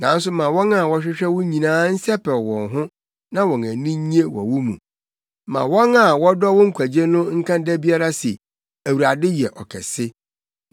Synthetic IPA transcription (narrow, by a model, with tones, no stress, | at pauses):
nã˨n̩˦s̬ʊ˦mã˨wɔ̃˦na˨wɔ˦ɕᶣɪ˦ɕᶣɛ˦wʊ̃˦ɲĩ˨nãː˦n̩˦sɛ˦pʰɛ˨wɔ̃˨nɦʊ̃˦ | nã˦wɔ̃˨næ̃˨nĩ˦ɲi˦e˦wɔ̰˨wʊ˦mṵ̃˨ | mã̰˨wɔ˦nã˨wɔ˦dɔ˦wʊ̃˦ŋ̩˦kʷʰæ˨d͡ʑe˦nʊ̃˦ŋ̩˦kʰã˦dæ˦bi˦a˦ɾa˦sɛ˨ | æ˨wu˨ɾa˨dɪ˦jɛ˨ʔɔ̰˨kʰɛ̰˨sɪ˦